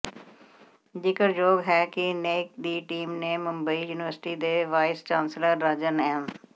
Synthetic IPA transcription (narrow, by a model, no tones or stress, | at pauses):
d͡ʒɪkəɾd͡ʒoːɡɦɛːkɪneːk̚d̪iːʈiːmneːmʊ̃mbəiːjuːnɪʋəɾsʈiːd̪eːʋaːɪst͡ʃãːnsləɾːəd͡ʒənɛ̃ːn